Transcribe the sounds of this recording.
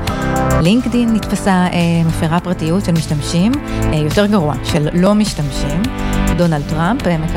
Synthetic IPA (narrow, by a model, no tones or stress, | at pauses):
liŋkdinːitfasaʔemafeʁapʁatijutʃelmiʃtamʃimjo̞te̞ʁɡaʁua̰ʃello̞miʃtamʃimdo̞nald̚tʁampmek